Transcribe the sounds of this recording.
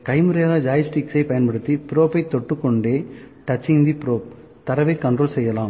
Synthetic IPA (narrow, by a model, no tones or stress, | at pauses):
kɐɪmɯɾɐjaːɣɐd͡ʒaːjɐsʈiksɐɪpɐjɐnpɐɽɯt̪ːipɪɾoːpːɐɪt̪ːɔʈːɯkːɔɳɖeː | ʈɐt͡ʃːɪŋd̪ipɪɾoːp̚ | t̪ɐɾɐʋɐɪkːɐɳɖroːlsɛjːɐlaːm